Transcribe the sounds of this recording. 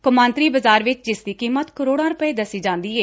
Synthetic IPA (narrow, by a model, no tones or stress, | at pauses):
kʊmãːnt̪ɾiːbəzaːɾʋɪt͡ʃd͡ʒɪsd̪iːkiːmət̪kəɾoːɽãːɾʊpəeːd̪əsiːd͡ʒãːnd̪iːɛː